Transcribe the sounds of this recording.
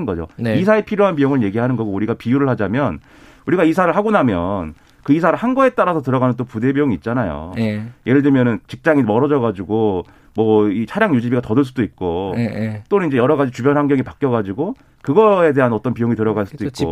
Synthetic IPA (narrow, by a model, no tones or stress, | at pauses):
ɯnɡʌd͡ʑo̰is̬ʰaepʰiɾjoɦanpijoŋɯɭje̞ɡiɦanɯnɡʌɡouɾiɡapijuɾɯɭhad͡ʑamjʌn | uɾiɡaisʰaɾɯɭhaɡonamjʌn | kɯisʰaɾɯɭhanɡʌe̞t͈aɾasʰʌtɯɾʌɡanɯnt̬͈opude̞bijoŋiːt̚t͡ɕ͈anajo̰jʔeɾɯɭdɯmjʌnɯnt͡ɕik̚t͡ɕ͈aŋimʌɾʌd͡ʑʌɡad͡ʑuɡo | mwʌit͡ɕʰaɾjaŋjud͡ʑibiɡatʌdɯɭs͈udoik̚k͈o | t͈onɯninɲd͡ʑe̞jʌɾʌɡad͡ʑit͡ɕubjʌnɦaŋɡjʌŋipak͈jʌɣad͡ʑiɡo | kɯɡʌe̞de̞ɦanʌt͈ʌnpijoŋitɯɾʌɡaɭs͈ud̥oik͈̚o̰